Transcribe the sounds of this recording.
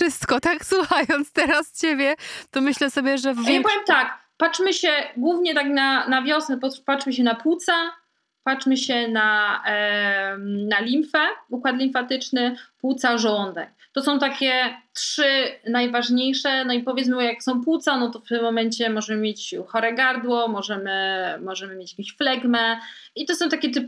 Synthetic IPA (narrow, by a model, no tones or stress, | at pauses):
ʂɘst̪kɔt̪akswuxajɔnt̪st̪ɛɾast͡ɕebʲjɛt̪ɔmɘɕlɛsɔbʲjɛʐɛvjapɔvjɛmt̪akpaʂmɘɕɛɡwuvɲɛt̪aknanavʲjɔsnɛpɔpaʂmɘɕ̬ɛnaput̪sa | pat͡ʂmɘɕɛna | nalʲimfɛukwat̪lʲimfat̪ɘt͡ʂnɘpwut̪saʐɔnd̪ɛ̰k | t̪ɔsɔ̃w̃t̪akʲɛtʂɘnajvaʐɲejʂɛnɔipɔvʲjɛt̪mɘjaksɔ̃w̃pwut̪sanɔt̪ɔft̪ɪmːɔmɛɲt͡ɕɛmɔʐɛmɘmʲjet͡ɕxɔɾɛɡaɾd̪wɔmɔʐɛmɘmɔʐɛmɘmjet͡ɕjakʲẽɕflɛɡmɛit̪ɔsɔ̃w̃t̪akʲɛt̪ɘp